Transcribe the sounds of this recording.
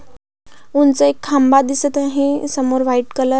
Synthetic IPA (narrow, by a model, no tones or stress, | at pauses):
unt͡səekʰːambad̪isət̪ãɦẽsəmoɾʋaiʈkələ